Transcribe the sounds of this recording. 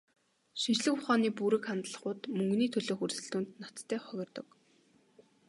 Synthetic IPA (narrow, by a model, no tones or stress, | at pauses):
ʃint͡ɕɮɘ̆kʊχaːniːpuɾɘ̆kχant̪ɮə̆χʊːt̪mɵŋɡniːt̪ʰɵɮŏːxursɘ̆ɮt̪uːnt̪nɔt̪t̪ʰːæːχœɣ̆ʲrt̪ɞ̆k